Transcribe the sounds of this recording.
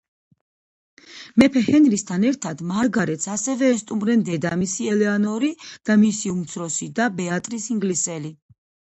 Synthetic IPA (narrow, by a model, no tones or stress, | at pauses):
mɛpʰɛhɛnɾist̪ʰanɛɾt̪ʰad̪maɾɡaɾɛt̪sʰasɛvɛːst̪ʼumɾɛnd̪ɛd̪amisiɛlɛanɔɾid̪̥amisiumt̪sʰɾɔsid̪abɛat̪ʼɾisiŋɡlisɛli